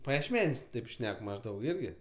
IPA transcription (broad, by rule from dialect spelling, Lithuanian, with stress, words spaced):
pɐjiɛʃʲˈmʲæːnʲuɔs ˈtɐɪp ˈʃʲnʲɛk mɐʒˈdɐʊk ˈɪrʲɡʲɪ